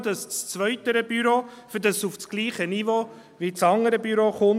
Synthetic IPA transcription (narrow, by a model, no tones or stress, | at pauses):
d̥ɑst͡st͡svœʏtəɾəb̥yɾoːfɪdɑsuft͡sɡ̥liːχənivo | vit͡sɑŋəɾəbyɾoχʊn